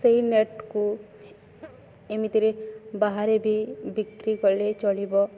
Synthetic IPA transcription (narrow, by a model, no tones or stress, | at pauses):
sɐɦineʈku | emit̪eɾebaɦaɾebʱibikɾikɔɾlet͡ʃɔlibɔ